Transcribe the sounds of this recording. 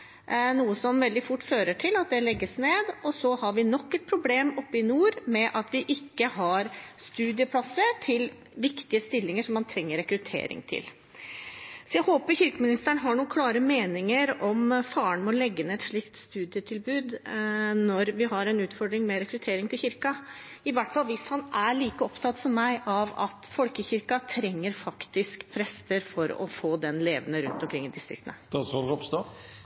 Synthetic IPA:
nuːəsɔmʋɛld̪ɪfʊʈːføːɾəʈʰɪlɑt̪̚d̪ɛlɛɡːəsneːd̪ɔsɔhɑɾʋɪnɔkːɛt̪̚pʰɾʊbleːmɔpːəɪnuːɾmɛʔɑt̪ʰʋɪʔɪkːəɦɑɾst̪ʉːd̪ɪəpʰlɑsːət̪ʰɪl | ʋɪkt̪ɪəst̪ɪlːɪŋəʂɔmːɑnt̪ʰɾɛŋːəɾɛkɾʉt̪ʰḛːɾɪ̰ŋt̪ʰɪ̰l | sɔjæɪhoːpəɾçʏɾkəmɪnɪst̪əɳəɦɑɳuːnkʰlɑːɾəmeːnɪŋəɾɔmfɑːəɳmɛɔlɛɡːənəɛt̪ʂɭɪkt̪st̪ʉːd̪ɪət̪ʰɪlbʉːd̪nɔɾʋɪɦɑɾɛnʉːt̪fɔɖɾɪŋmɛɾɛkɾʉt̪ʰeːɾɪŋt̪ʰɪlçɪɾkɑɪʋæʈːfɑlːʋɪshɑnæɭiːkəɔpt̪ʰɑt̪ːsɔmːæɪʔɑʋɑ̰t̪fɔlkəçɪɾkɑt̪ʰɾɛŋːəɾfɑkt̪ɪskpʰɾɛst̪əɾfɔɾɔ̰foːd̪ɛnleːʋənəɾʉ̰nt̪ɔmkʰɾɪŋːɪd̪ɪst̪ɾɪkt̪ənəd̪ɑsɔlɾɔpst̪oː

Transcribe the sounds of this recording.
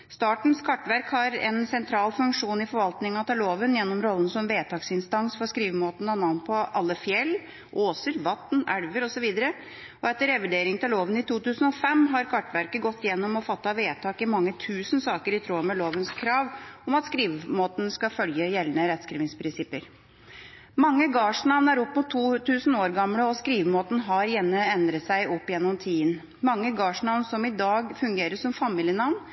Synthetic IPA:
st̪ɑːʈɳ̩skʰɑʈːʋæɾkhɑɾɛ̰nsɛnt̪ʰɾɑːlfʉŋkʂuːnɪfɔɾʋɑlt̪nɪŋːɑt̪ʰɪloːʋənjɛnːɔmɾɔlːənsɔmʋeːt̪ɑːksɪnst̪ɑnsfɔɾskɾiːʋmoːt̪nɑnɑːn̚pʰɔʔɑlːəfjɛlː | ʔoːsəɾʋɑt̪næɽʋəɾɔsɔʋiːd̪əɾə | ɔɛt̪ːəɾɛʋəɖeːɾɪŋt̪ɪloːʋənɪt̪ʰuːt̪ʉːsənɔfɛmɦɑɾkʰɑʈːʋæɾkəɡɔt̪ːjɛnːɔmɔfɑt̪ːɑʋeːt̪ʰɑːkɪmɑŋːət̪ʰʉːsn̩sɑːkəɾɪt̪ʰɾuːmɛloːʋənskʰɾɑːʋɔmɑt̪skɾiːʋmoːt̪n̩skɑfœljəjɛlːənəɾɛt̪skɾḭːʋɪŋspʰɾɪnsɪpəɾ | mɑŋːəɡɑːʂnɑʋnæɾɔpːmʊt̪ʰːuːt̪ʰʉːsən̩oːɾɡɑmləɔskɾiːʋmoːt̪n̩ɦɑɾjɛnːəɛnd̪ɾət̪sæɪʔɔpːjɛnːɔmt̪ʰiːən | mɑŋːəɡɑːʂnɑʋnsɔmɪd̪ɑːɡfʉŋɡeːɾəʂɔmfɑmiːlɪənɑʋn

